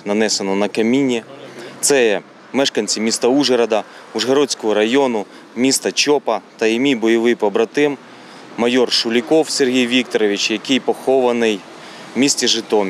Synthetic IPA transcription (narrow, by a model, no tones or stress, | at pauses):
nɐnɛsenɔnɐkɐmʲinʲit̪sɛjɛ | mɛʃkɐnʲt͡sʲimʲist̪ɐuʒɐɾɐd̪ɐ | uʒɦɐɾɔt͡sʲkɔɦɔɾɐjɔnʊ | mʲist̪ɐt͡ʃɔpɐt̪ɐimʲibɔjɔʋɪpɔbɾɐt̪ɪmː | ɐjɔrʃʊlʲikɔwserɦʲijʋʲik̚t̪ɔɾɔʋʲit͡ʃjɐkɪjpɔxɔʋɐnɪj | mʲisʲtʲiʒɪt̪ɔmʲ